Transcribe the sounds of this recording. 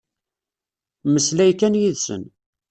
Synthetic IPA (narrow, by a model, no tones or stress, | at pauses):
məslæjkːænjiðsə̰n